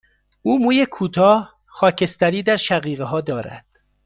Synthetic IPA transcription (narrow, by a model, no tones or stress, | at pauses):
uːmuːjekʰuːt̪ʰɒːh | xɒːcʰe̞st̪æɾiːd̪æɾʃæɣiːɣeɦɒːd̪ɒːɾæ̰d̪̥